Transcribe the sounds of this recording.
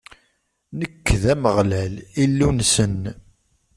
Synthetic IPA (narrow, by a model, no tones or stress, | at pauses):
nəkːðæməʁlælilːunsən